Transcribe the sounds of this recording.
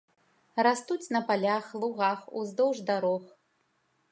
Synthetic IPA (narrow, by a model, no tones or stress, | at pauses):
rast̪ut͡sʲnɐpalʲaxlˠuɣaxṵzd̪ɔwʐd̪aɾɔx